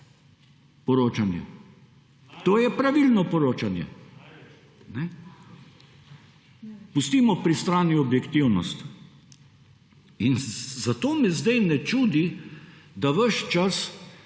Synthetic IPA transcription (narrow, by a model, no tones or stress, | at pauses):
pɔɾoːt͡ʃanjɛ̰ | t̪oːjɛpɾaʋilnɔpɔɾoːt͡ʃanjɛ̰ | nɛ | pust̪iːmɔpɾist̪ɾaːniɔbjɛkt̪iwnɔst̪ | inzat̪oːmɛzd̪ɛjnɛt͡ʃuːd̪i | d̪aʋəʃt͡ʃas